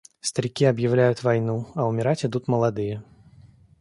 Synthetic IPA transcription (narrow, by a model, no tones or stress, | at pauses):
st̪ɐɾʲikʲiɐbjawlʲajut͡sʲvajnuɐwmʲɛɾat͡sʲid̪ut̪mɐlˠad̪ɨjɛ